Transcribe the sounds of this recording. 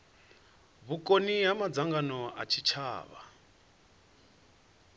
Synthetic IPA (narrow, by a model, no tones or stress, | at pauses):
βukʼoniɦamad͡zaŋɡanɔa̰t͡ʃʰit͡ʃʰa̰ːβa̰